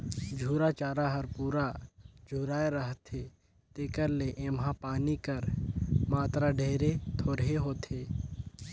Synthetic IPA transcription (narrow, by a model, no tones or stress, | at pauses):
d͡ʒʱuːɾat͡ʃaːɾaɦɐɾpuːɾad͡ʒʱuːɾaːeɾəɦt̪ʰe | t̪eːkəɾleʔeːmɦãpaːnikəɾmaːt̪ɾaɖʱeːɾet̪ʰoːɾɦeɦoːt̪ʰeː